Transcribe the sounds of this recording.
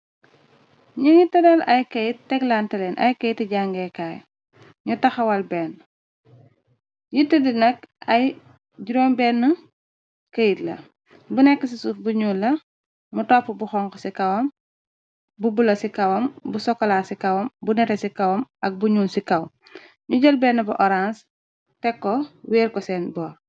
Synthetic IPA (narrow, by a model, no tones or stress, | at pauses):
ɲəŋitɐdɐlɐjkəjitːɛɡlantɐlɛnʔɐ̰jkɐjtːiɟaŋɡɛkaːj | ɲutɐxɐwɐlbɛːn | jitːədinɐk̚ɐj | ɟuɾɔːmbɛːnːɐ | kəjitlɐ̰ | bunɛkːəs̬isufbuɲuːlːɐ | mutɔpːubuxɔŋkɔsikɐwɔm | bubulɐsikɐwɐmbusɔkːɔlaːsikɐwɐmbunɛɾɛsikɐwɐmɐk̚buɲuːnsikɐw | ɲuɟɐlbɛnːɐbuʔɔɾans | tɛkːɔwɛːɾkɔsɛːnbɔːɾ